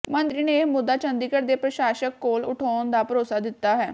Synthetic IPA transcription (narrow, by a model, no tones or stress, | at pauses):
mə̃nd̪ɾiːneːmʊd̪ːaːt͡ʃə̃nd̪iːkəɾd̪eːpɾəʃaːʃəkːoːlʊʈʰɔːnd̪aːpəɾoːsaːd̪ɪt̪ːaːɦɛː